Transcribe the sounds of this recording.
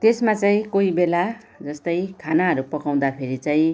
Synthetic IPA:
t̪esmat͡saĩkoibela | d͡zʌst̪ʌjkʰanaɦʌɾupʌkaw̃d̪apʰeɾit͡saĩ

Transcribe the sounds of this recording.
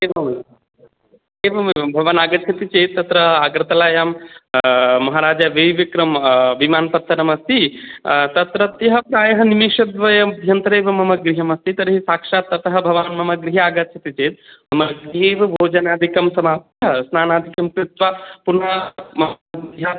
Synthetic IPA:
eːʋɐ | eːʋɐmbʱɐʋɐnaːɡɐtt͡ʃʰɐt̪it͡ʃeːt̪̚ːɐt̪ɾɐaːɡɾɐt̪ɐlaːjaːm | mɐɦɐɾaːd͡ʒaʋeːʋikɾɐmʋimaːnpɐt̪ʰːɐnɐmɐst̪it̪ɐt̪ɾɐt̪jɐɦɐpɾaːjɐɦɐnimeːʂɐd̪ʋɐjɐɐd̪ʱjɐnt̪ɾeːʋɐmɐmɐɡɾiɦɐmɐst̪it̪ɐɾɐɦisaːkʂaːt̪ːɐt̪ɐɦɐbʱɐʋaːnmɐmɐɡɾiɦɐaːɡɐt̪ːt͡ʃʰɐt̪it͡ʃeːt̪̚mɐmɐɡɾiɦeːʋɐbʱoːd͡ʒɐnaːd̪ʱikɐmsɐmaːp̚t̪ʰɐɦɐsnaːnaːd̪ʱikɐmt̪it̪ʋapunamɐ | jaː

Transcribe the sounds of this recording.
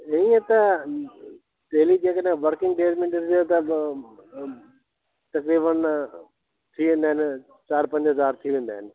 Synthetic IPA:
ɪĩet̪ɐ | ɖeːlid͡ʑeːkəɗẽʋəɾkɪ̃ŋɡɖeːd͡ʒmɪɳʈəɾet̪ɐ | t̪ɐkɾiːbən | t̪ʰiʋẽːnd̪aɦɪnɪ | t͡ɕaːɾpɐ̃ɲd͡ʑɦɐzaːɾt̪ʰiʋẽːnd̪aːɦɪnɪ̆

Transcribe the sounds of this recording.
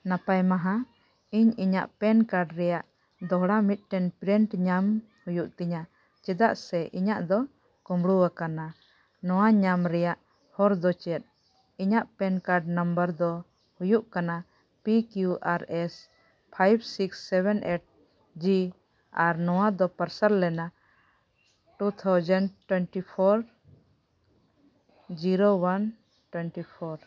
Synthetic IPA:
napajmaɦã | iɲiɲa̰ʔpɛnkaɾɖɾɛjaʔ | d̪ɔɦɽamit̪̚ʈɛnpɾiɳʈɲam | hujuʔt̪ɛɲa | t͡ʃɛd̪aʔsɛʔiɲaʔd̪ɔ | kɔ̃mɽuwakana | nɔwaɲamɾɛjaʔ | hɔɾd̪ɔt͡ʃɛt̪̚ˀ | iɲaʔpɛnkaɾɖnəmbəɾd̪ɔ | hujuʔkana | pikjuʔaɾɛs | pʰajbsiksːɛbɛnʔeʈ̚ | d͡ʒi | aɾnɔwad̪ɔpəɾsaɾlɛna | ʈut̪ʰawd͡ʒənɖʈwɛnʈipʰɔɾ | d͡ʒiɾowan | ʈwɛnʈipʰɔɾ

